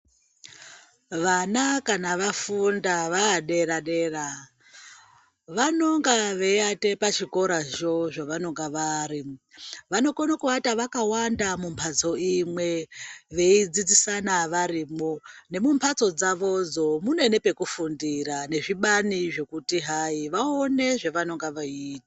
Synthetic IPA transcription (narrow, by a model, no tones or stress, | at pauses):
ʋanakanaʋafundaʋaːɗeɾaɗeːra | ʋanoŋɡaʋe̞ate̞pat͡ʃiko̞ɾaʒo̞ʐaʋanoŋɡaʋaːɾiʋano̞konokuʋataʋakawandamumpʰat͡so̞imwe̞ʋe̞id͡zid͡zisanaʋaɾiːmone̞mumpʰat͡so̞d͡zaʋo̞d͡zo̞munoene̞pe̞kufundiɾane̞ʐiɓaniʐe̞kutiɦaiʋaone̞ʐe̞ʋanoŋɡaʋaiːtḁ